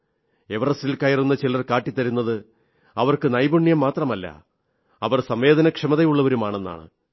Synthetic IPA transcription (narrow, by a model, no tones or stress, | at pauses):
e̞ʋɐrɐsilkɐjɐrunːɐt͡ɕilɐrkaːʈːit̪ːɐɾunːɐðɨ | ɐʋɐrkɨnɐjbuɳːijɐmːaːt̪rɐmɐlːɐ̰ | ɐʋɐrsɐmʋe̞ːd̪ɐnɐkʂɐmɐðɐjuɭːɐʋɐɾumaːɳe̞nːa̰ːɳɨ̰